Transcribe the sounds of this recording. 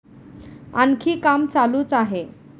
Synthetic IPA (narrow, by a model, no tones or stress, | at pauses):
ankʰiːkamt͡saluːt͡saɦe